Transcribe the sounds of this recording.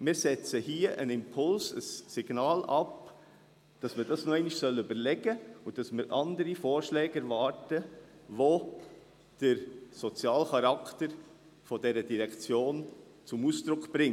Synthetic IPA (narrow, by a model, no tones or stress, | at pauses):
mɪːɾsɛt͡səhiːəʔənɪmpʰʊlsə̰sːɪɡ̥nɑːlɑp | d̥ɑsməd̥ɑsnoɛɪnɪʃsœlːəybəɾlɛɡəʊd̥ɑsməɾʔɑndəɾifɔːɾʃlɛːɡɛɾvɑːɾtəʋo | d̥əɾsɔt͡sjɑːlχɑɾɑktəɾ | fɔdɛɾədiɾɛkt͡sjoːn | t͡sʊmusd̥ɾʊkb̥ɾɪŋ